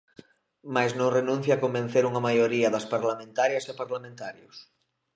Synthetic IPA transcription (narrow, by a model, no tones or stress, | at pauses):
majznõŋrenũn̟θjaːkombẽn̟θeɾuŋɐmajoɾiɐðɐspaɾlamẽnt̪aɾjɐsapaɾlamẽnt̪aɾjʊs